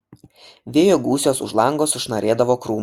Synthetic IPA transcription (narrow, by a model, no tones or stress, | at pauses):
ʋʲeːjoɡuːsʲoːsʊ̰ʒlˠɐŋɡoːsʊʃnɐɾʲeːd̪ɐʋoːkɾuːm